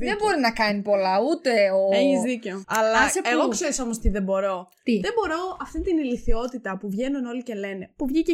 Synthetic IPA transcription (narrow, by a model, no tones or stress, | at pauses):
ðebo̞ɾinɐkɐnipo̞lɐut̪e̞oeçizðiceoɐlɐseeɣokse̞ɾiso̞mo̞st̪iðe̞bo̞ɾo̞t̪iðe̞bo̞ɾo̞ɐft̪int̪iniliθio̞t̪it̪ɐpuvʝe̞nuno̞lice̞le̞ne̞puvʝice